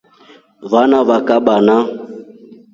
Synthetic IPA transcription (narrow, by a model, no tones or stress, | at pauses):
βanaβakaɓana